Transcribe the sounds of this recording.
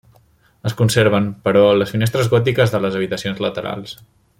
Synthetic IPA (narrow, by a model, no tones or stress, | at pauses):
əskunseɾβ̞əmpəɾɔələsfinest̪ɾəzɣɔt̪̬ikəzðələzəβit̪əsionzlət̪əɾa̰lˠs